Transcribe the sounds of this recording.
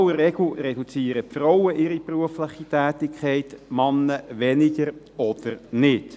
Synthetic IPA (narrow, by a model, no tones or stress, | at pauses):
wərɛɡl̩ɾɛd̥ut͡siːəɾətfrɔwəʔɪɾipruəfləχitæːtɪkʰχɛɪtmɑnːəʋɛnɪɡəɾ | ɔd̥əɾnɪt